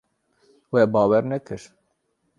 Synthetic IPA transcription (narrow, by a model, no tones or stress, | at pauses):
wɛbɑːwɛɾnɛkʰɨɾ